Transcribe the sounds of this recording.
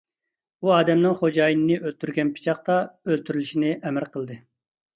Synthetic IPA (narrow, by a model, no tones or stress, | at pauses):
uɑːd̪ɛmnɨŋχod͡ʒɑːjinɨnɨʔølt̪ʰyɾɡʲɛnpʰi̥t͡ʃʰɑχt̪ɑølt̪ʰyɾylyʃinɪʔɛmæɾqʰəlˠd̪ɨ